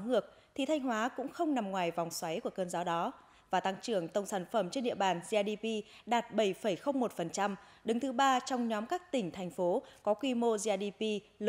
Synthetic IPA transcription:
ŋɨ˨˩ək̚ | t̪ʰi˨˩t̪ʰa˧jŋ̟ɦwaː˨˦kʊ̰˧˥ŋ͡mxə˧wŋ͡mna˨˩mŋwaː˨˩jva˨˩wŋ͡mswa˨˦jku˧˩əkəː˧nzaː˨˦wɗɔ˨˦ | vaː˨˩t̪a˧ŋt͡ɕɨ˧˩əŋt̪ə˧˩wŋ͡msaː˧˩nfə˧˩mt͡ɕe˧nɗḭ˧˨əɓaː˨˩nzi˧a˧ɗi˧pi˧ɗaː˨˩t̚ɓə˧˩jfə˧˩jxə˧wŋ͡mmo˨˩t̚fə˨˩nt͡ɕa˧m | ɗɨ˨˦ŋt̪ʰɨ˨˦ɓaː˧t͡ɕɔ˧wŋ͡mɲɔ˨˦mkaː˦˥k̚t̪ï˧˩ŋ̟t̪ʰa˨˩jŋ̟fo˨˦kɔ˨˦kwi˧mo˧zi˧a˧ɗi˧pi˧ | l

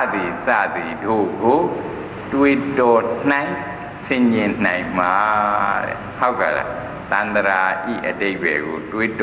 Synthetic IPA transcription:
d̪i˨sä̰˦˨d̪i˨do˦˨ɡo˨ | twe˦tɔ˨n̥ã˨ɪ̃ | sɪ̃˨ɲɪ̃˨n̥ã˨ɪ̃ma˨˦ɾɛ̰˨ho˦ʊka˨la̰˨ | t̪ã˨nd̪əɾa˨ʔḭ˦˨ʔəde˦˨bɛ̰˨ɡo˨twe˦t

